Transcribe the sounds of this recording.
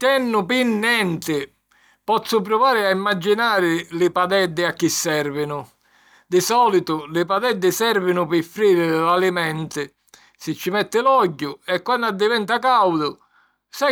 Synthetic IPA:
t̪ɛnːʊpinːɛnt̪ɪ | pɔt̪sːʊp̬ɾɔvaːɾɪaimːad͡ʒːinaːɾɪlɪpad̪ɛd̪ːɪakːisːɛɾvɪnʊ | d̪ɪsɔːlit̪ʊlɪpad̪ɛd̪ːɪsɛɾvɪnʊpɪfːɾiːɾɪlalimɛnt̪ɪ | sɪt͡ʃːɪmɛt̪ːɪlɔɟːʊɛkːwanːad̪ːɪvɛnt̪akawd̪ʊ | sa

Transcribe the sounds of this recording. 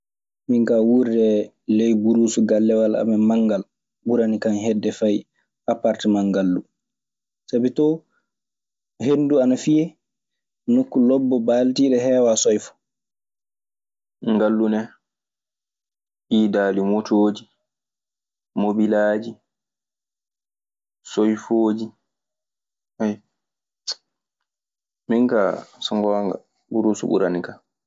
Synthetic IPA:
miŋkawuɾdɛ | lɛjbuɾuːsuɡalːɛwalʔa̰mɛmaŋɡal | buɾanikanɦɛdːɛfaj | ʔapaɾtimaŋɡalːu | sabitɔ | ɦenduanafijɛ | nokːulɔbːɔbaltiɗɛɦɛːwasɔjfɔ̥ | ŋɡalːunɛ | ʔiːdaːlimotʰoːd͡ʒi | mobilaːd͡ʒi | sojfoːd͡ʒi | aj | miŋka̰sɔŋɡɔwaŋɡa̰ | buɾusṵɓṵɾanika

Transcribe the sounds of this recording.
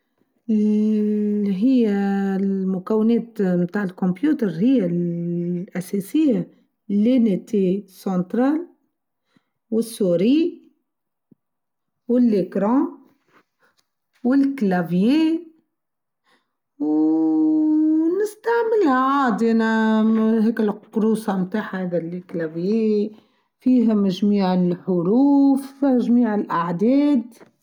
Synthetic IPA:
ɦɪjːalmʊkæwːɪneːt̪mt̪aːʕɪlkɔmbjuːt̪əɾˤhɪjːa | ʔæsesɪjːa | lːenet̪esɑ̃nt̪ɾaːl | wɪsːuɾi | wɪlːɪkɾɑ̃ | wɪlklavje | w | nɪst̪aʕmɪlhaʕaːd̪iʔænaɦeːkɪlqʊɾuːsɑmt̪aːħahad̪ælɪklavje | fiːɦmaʒmiːʕɪlħʊɾuːfʒmiːʕɪlʔaʕd̪ɛːd̪

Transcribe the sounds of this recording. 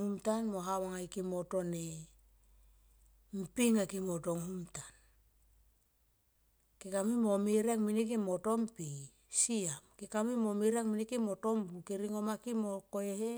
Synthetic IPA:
umtanmo̞ɦawaŋajkimoto̞ne | m̩piŋakimotoŋhumtan | kikamimomiɾaŋminik̬imo̞tompi | siamkikamimomiɾaŋminikimo̞to̞mbukiɾiŋo̞makimokoehe

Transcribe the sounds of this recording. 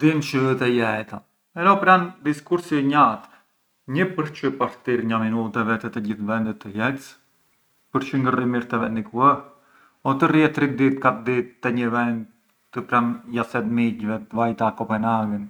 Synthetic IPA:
d̪int͡ʃət̪ɛjɛt̪a | ɛɾɛɔpɾand̪iskuɾsiɲat̪ | ɲəpəɾt͡ʃəpaft̪iɾɲaminut̪ɛvɛt̪ɛt̪ɛɟiθvɛnd̪ət̪ːəjɛt͡s | pəɾt͡ʃəŋɡərimiɾt̪ɛvɛnd̪ikuɛɾ | ɔt̪əriɛt̪ːɾid̪it̪̚kat̪d̪it̪ːɛɲəvɛnd̪̚ | t̪əpɾanjasɛd̪miɟvɛt̪vajt̪akɔpɛnaɡən

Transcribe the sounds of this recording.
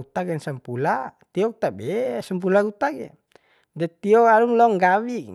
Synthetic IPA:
ut̪aɡɛnsampulat̪iɔkut̪abɛsamp̬ulaɡut̪aɡɛ̰ | dɛt̪iɔaɾuŋlɔŋɡawi

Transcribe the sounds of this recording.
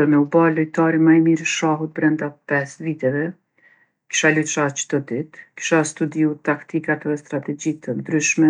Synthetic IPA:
ənɛubaləjt̪aɾimajmiɾʃaɦut̪̚bɾɛnd̪apɛsvit̪ɛvɛ | ki̥ʃaluʃat͡ʃəd̪̥ɔd̪it̪ki̥ʃast̪ud̪iut̪akt̪ikat̪ɛst̪ɾat̪ɛd͡ʑit̪ənd̪ɾyʃmɛ

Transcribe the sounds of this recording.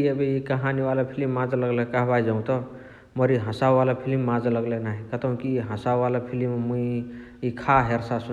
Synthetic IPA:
iebikəɦaniwalapʰilimːãd͡zləɡlekaɦbaid͡ʒaũt̪ʌ | mʌɾiɦə̃sawwalapʰilimːãd͡zləɡlenaɦikət̪əm̃kiɦə̃sawwalapʰilimmui | ikʰaɦeɾsasu

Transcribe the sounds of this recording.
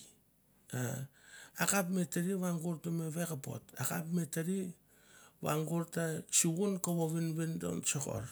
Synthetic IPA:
a | akapmetaɾiβaŋɡuɾtameβekapo̰takapmetaɾi | βa̰ŋɡuɾtat͡ʃuɣunkoβoβinβendo̰nsoko̰ɾ

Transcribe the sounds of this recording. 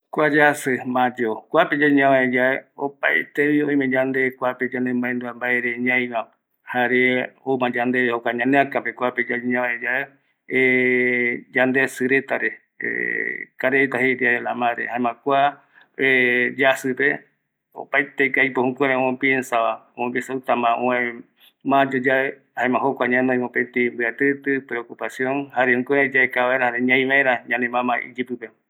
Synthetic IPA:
kʷad͡ʒasɨmãd͡ʒokʷaped͡ʒaɲãβãed͡ʒaeopajt̪eβiõĩmẽd͡ʒand̪ekʷaped͡ʒanẽmbaend̪uambaeɾeɲãj̃βa | haɾeomãd͡ʒand̪eβehokaɲãneakapekʷaped͡ʒaɲãβaed͡ʒae | e | d͡ʒand̪esɨɾet̪aɾe | ḛkaɾeet̪aheɾiaɾela̰mãɾḛhaẽmãkʷa | ed͡ʒasɨpe | o̰pajt̪eikajpohũkʷeɾẽõẽpiensaβaoẽmbisawt̪amãʔõẽ | mãd͡ʒod͡ʒae | haemãɦokʷaɲãnõĩmõpet̪imbɨat̪ɨt̪ɨpɾeokupasjõnhaɾehũkʷẽɾẽd͡ʒaekaβaeɾahaɾeɲãj̃ʋaeɾaɲãnẽmãmãḭd͡ʒipɨpe

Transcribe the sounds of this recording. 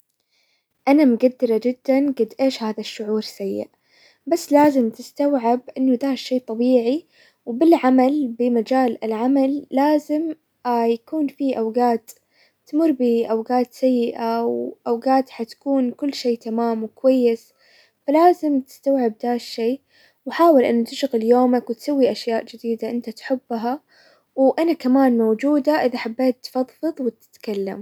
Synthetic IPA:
ʔanamɡad̪ːɪɾˤɑd͡ʒɪd̪ːanɡɪd̪ʔeːʃhaːðaʃːʊʕuːɾsajːɪ̰ʔ | basːlaːzɪmt̪ɪst̪awʕɪbʔɪnːʊd̪aːʃːeːt̪ˤɑbiːʕi | wbɪlʕamalbɪmad͡ʒaːlɪlʕamalːaːzɪm | jakuːnfiʔawɡaːt̪ː | amʊɾˤbɪʔawɡaːt̪sajːɪʔawʔawɡaːt̪ħat̪ḁkuːnkʊlːʃeːt̪amaːmwɪkwajːɪs | falaːzɪmt̪ɪ̥st̪awʕɪb̚d̪aːʃʃeː | wħaːwɪlʔɪnːat̪ɪʃɣɪljoːmakwɪt̪sawːiʔaʃjaːʔd͡ʒɪd̪iːd̪aʔɪnt̪at̪ħʊbːɦa | wʔanakamaːnmowd͡ʒuːd̪aʔɪðaħabːeːt̪ːfɑðˤfɨðˤwɪt̪ɪ̥t̪kalːa̰m

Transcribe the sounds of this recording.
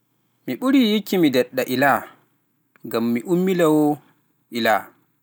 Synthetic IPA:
miɓuɾijikːimidɛɗːaʔila | ɡamːiʔumːilawɔ | ʔila̰

